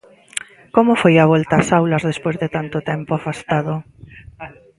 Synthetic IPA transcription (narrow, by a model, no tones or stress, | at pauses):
komofojaβ̞olt̪aːsawlazðespwezðet̪ant̪ʊt̪ɛmpoafast̪aðo